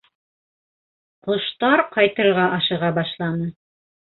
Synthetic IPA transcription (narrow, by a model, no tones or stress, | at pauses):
qŏʃt̪ɑɾqɑjt̪ɤ̆ɾɾʁɑʔɑʃɤ̆ʁɑbɑʃlˠɑnɤ